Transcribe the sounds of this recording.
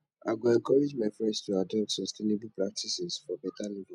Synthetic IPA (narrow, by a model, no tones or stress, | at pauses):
a̰ɪɡoɛ̃ŋkɔɹed͡ʒmafɹɛ̃stuadɔp̚tsɔstʰenebulpɹak̚tʰisɛsfɔbɛtalivi